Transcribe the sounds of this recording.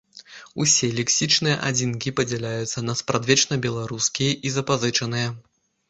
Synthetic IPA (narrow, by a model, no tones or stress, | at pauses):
usʲɛlʲɛksʲit͡ʂnɨjɐ̰ʔa̰d͡zʲinkʲipɐd͡zʲɛlʲajut̪sːɐnɐspɾad̪vʲɛt͡ʂnɐbʲɛlˠaɾuskʲijɐʔizɐpazɨt͡ʂɐnɨjɐ